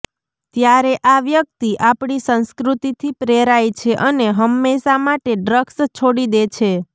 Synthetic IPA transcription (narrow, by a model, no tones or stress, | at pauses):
t̪jaɾeʔaʋjək̚t̪iʔapɳisə̃nskɾut̪it̪ʰipɾeɾajt͡ʃʰeʔəneɦəmːeʃamaʈeɖɾəkst͡ʃʰoɽid̪et͡ʃʰe